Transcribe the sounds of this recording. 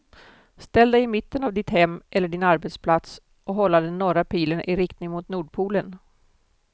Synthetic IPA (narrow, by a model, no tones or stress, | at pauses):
st̪ɛld̪ɛjɪmɪt̪ːənavd̪ɪt̪hɛmːʔɛlːəɖɪnaɾbɛt̪spʰlat̪s | ʔɔɦɔlːad̪ənɔɾapʰiːləɳʔɪɾɪkt̪nɪŋmʊt̪nuːɖpʰuːlən